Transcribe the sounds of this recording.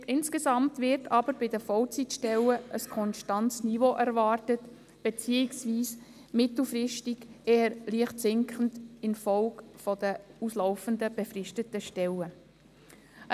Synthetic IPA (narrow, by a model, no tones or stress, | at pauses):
ʔɪnskesɑmtvɪɾtʰɑbəɾbɪdəfɔlt͡sitʃtɛləʔəskʰɔnʃtɑntsnivoʔæɾvɑːrtət | b̥et͡siːɪksviːs | mɪtl̩frɪʃtɪɡeːəɾliəχtsɪŋkχən̩tɪnfɔlkfɔd̥əuslɔʊfəndəb̥efrɪʃtətəʃtɛlə